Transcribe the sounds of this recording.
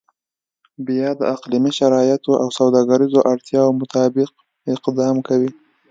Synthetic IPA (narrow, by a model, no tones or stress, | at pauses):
bjɑd̪əaqlimiʃaɾɑjat̪oʔawsawd̪ɑɡaɾizoʔaɽt̪jɑomʊt̪ɑbɪq̚ | ɪqd̪ɑmkawi